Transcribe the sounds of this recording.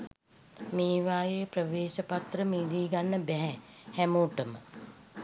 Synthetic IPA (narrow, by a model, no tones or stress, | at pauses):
meːʋaːjejəprəʋeːʃəpat̪rəmiːd̪iːɡanːəbɛɦɛhæmoːʈəmə̰